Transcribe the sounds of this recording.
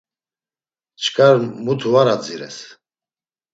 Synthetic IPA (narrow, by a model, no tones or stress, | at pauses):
t͡ʃʰkʰʼaɾmut̪ʰuvaɾad͡ziɾɛ̰s